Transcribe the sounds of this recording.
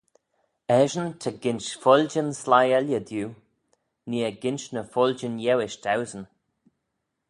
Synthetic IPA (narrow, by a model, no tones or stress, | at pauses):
ɛʒənt̪ʰəɡɪnʃfɔld͡ʒənslajɛljəd̪juː | niːəɡɪnʃnəfɔld͡ʒənjɛwɪʃd̪awzən